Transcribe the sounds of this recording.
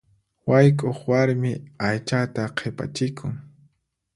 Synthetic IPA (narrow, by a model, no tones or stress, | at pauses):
wajkʼoχwaɾmɪajt͡ʃat̪aqʰepa̰t͡ʃɪkʰʊŋ